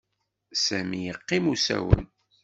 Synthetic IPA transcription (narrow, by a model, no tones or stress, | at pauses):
sæmijəqːimusæ̰wə̰n